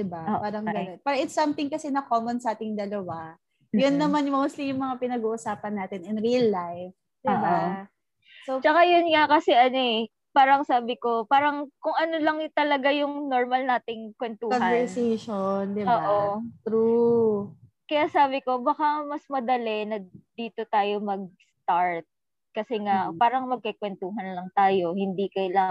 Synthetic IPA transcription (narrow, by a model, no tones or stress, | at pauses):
d̪ɪbaʔoːʔpaːɾɐŋɡɐonpɛːɾɐɪt̪sɐmt̪ɪŋkɐsɛnɐkoːmonsɐʔaːt̪ɪŋd̪ɐlɐwa | jʊnːɐmanjʊmɐʔʊslɪŋjʊŋmɐŋapɪnɐɡuːʔʊsaːpɐnːaːt̪ɪnɪnɾilːajf | d̪ɪba | sot͡ʃɐkajʊnŋakɐsɛʔɐnoɛ | paːɾɐŋsaːbɪko̞paːɾɐŋkʊŋʔɐnolɐŋt̪ɐlɐɡajʊŋnoɹmɐlnaːt̪ɪŋkwɛnt̪uːkɔnhɐvɛɾsɛʃond̪ɪboːʔot̪ɾu | kɐjasaːbɪko̞bɐkamɐsmɐd̪ɐlɛnɐd̪iːt̪o̞t̪aːjo̞mɐɡ̚st̪aɹt̪̚ | kɐsɛŋapaːɾɐŋmɐɡ̚kɐkwɛnt̪uːɦɐnlɐŋt̪aːjo̞hɪnd̪ikɐjla